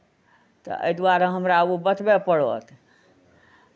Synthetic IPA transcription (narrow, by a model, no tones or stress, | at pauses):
t̪ɔ̰ə̰jd̪uaɾəɦəmɾaubət̪bepəɽot̪ʰ